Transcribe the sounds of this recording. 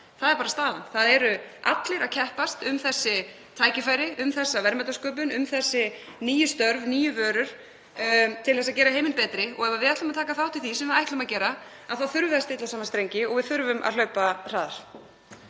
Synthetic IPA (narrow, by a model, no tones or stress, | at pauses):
θaðɛɾpaːɾast̪aːlanθaðɛɾʏʔa̰t̪lɪɾacʰɛhpast̪ʏmθɛsːɪ | t̪ʰaːjcɪfaːjɾɪʔʏmθɛsːavɛɾmɛt̪askœːp̬ʏnʏmθɛsːɪ | niːjʏst̪œɾvniːjʏvœːɾʏɾ̥ | t̪ʰɪlθɛsaðcɛːɾaheːjmɪnpɛːt̪ɾɪɔ̰ɣɛvavɪðajht̪ʏmaðt̪ʰaːkaθawt̪ʰɪlθisɛmaajht̪lʏmaðcɛːɾa | aðθawθʏɾvɪast̪ɪt̪lasaːmanst̪ɾejɲcɪɔɣvɪðθʏɾvʏmʔa̰ðlœɥpar̥aːðaɾ̥